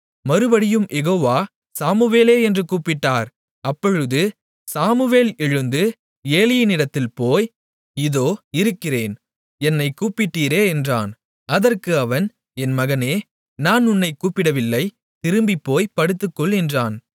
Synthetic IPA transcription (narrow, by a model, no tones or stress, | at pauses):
mɐɾɯbɐɽɪjɯmʔɛɣoːʋaː | saːmɯʋeːleːɛndrɯkuːpːɪʈːaːɾ | ɐpːɔɻɯðɯ | saːmɯʋeːlɛɻɯnd̪ɯ | eːlɪjɪnɪɽɐt̪ːɪlpoːj | ɪðoːɪɾɯkːɪreːn | ɛnːɐɪkuːpːɪʈːiːɾeːɛndra̰ːn | ɐðɐrkɯɐʋɐn | ɛnmɐɣɐneː | naːnʊnːɐɪkuːpːɪɽɐʋɪlːɐɪ | t̪ɪɾɯmbipːoːjpɐɽɯt̪ːɯkːɔɭɪndraːn